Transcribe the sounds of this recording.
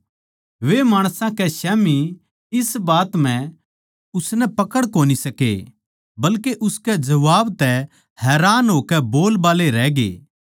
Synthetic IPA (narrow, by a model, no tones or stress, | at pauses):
ʋemaːɽ̃sãkɛʃɛːmi | ɪsbaːt̪m̤ɛ̃ | ʊsnɛpɐkəɽkoːnisɐkḛ | bɐlkeʔʊskɛd͡ʒɐʋaːbt̪ɛ | hɛːɾaːnɦoːkɛboːlbaːleɾɛːɡḛː